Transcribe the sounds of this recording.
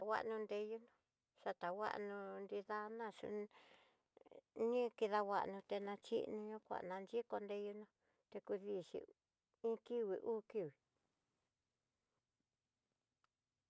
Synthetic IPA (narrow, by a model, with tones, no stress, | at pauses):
a˨wʷa̰˦ʔnũ˧nd̪e˧ju˦nõ˧ | ʂa˧t̪a˨wa̰˦ʔnũ˧nd̪i˧ða˧nã˦˧˨ʂṵ˧ | nĩ˦ki˧ða˧wʷa̰˧ʔnũ˧t̪e˧nã˧t͡ʃḭ˦ʔnũ˧ɲũ˦kʷa̰˨ʔnã˧nd͡ʒi˦ko˧nd̪e˧ju˧nõ˧ | t̪e˧ku˧ði˧˨ʃḭ˧ | ĩ˦ki˦wi˧ʔuː˦ki˦˨wi˨